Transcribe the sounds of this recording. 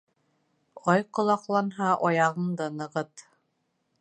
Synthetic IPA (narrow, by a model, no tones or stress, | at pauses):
ɑjqŏlˠɑqlˠɑnɦɑʔɒjɑʁɤnd̪ɤnɤ̆ʁɤt̪